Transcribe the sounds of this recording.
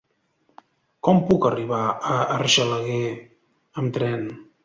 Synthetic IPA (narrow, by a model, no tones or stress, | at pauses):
kɔmpukəriβaəːrʒələɣe | əmt̪ɾɛn